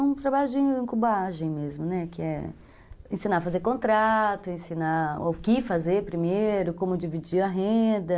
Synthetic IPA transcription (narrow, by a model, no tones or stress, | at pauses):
ũt̪ɾabaʎʊd͡ʒɪẽkubaʒẽj̃mezmʊnɛkɪɛ̰ | ẽsinafazeɾkõnt̪ɾat̪ʊẽsinao̰wkɪfazeɾpɾimejɾʊkõmʊd͡ʒivid͡ʒiɐɦẽd̪ɐ